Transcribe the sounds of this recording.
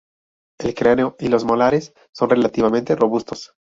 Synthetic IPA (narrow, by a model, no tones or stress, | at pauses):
e̞lkɾaneoilo̞zmolaɾesː | o̞nrelat̪iβamẽ̞nt̪e̞ro̞βust̪o̞s